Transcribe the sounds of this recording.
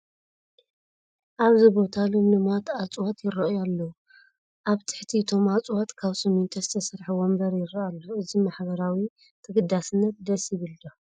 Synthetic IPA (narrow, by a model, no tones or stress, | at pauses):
ʔaβzibo̞t̪ʰalomlɨmat̪at͡sʼwat̪jɪrːɐʔjalːɐ | ʔaβt̪ʰɨ̥ħt̪ʰiɨt̪ʰo̞mat͡sʼwat̪kʰaβsɐmunt̪ʰɐzɨt̪ʰɐsɐɾħɨwombɐɾjɪɾaalːoɨzimaħbɐɾawi | t̪ʰɨɡɨd̪asɨnːɐt̪̚d̪ɐsjɪβɨlːo